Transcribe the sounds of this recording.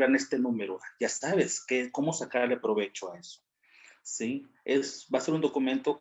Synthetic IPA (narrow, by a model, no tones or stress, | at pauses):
aɾne̞st̪e̞nũme̞ɾoaʝasaβe̞skeko̞mo̞sakaɾlepɾo̞βe̞t͡ʃoaeso | si | esbaseɾund̪o̞kumẽ̞nt̪o